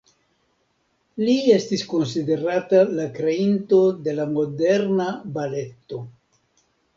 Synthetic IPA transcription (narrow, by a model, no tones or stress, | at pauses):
liest̪isko̞nsid̪e̞ɾat̪alakɾeint̪o̞d̪e̞lamo̞deɾnabale̞t̪ːo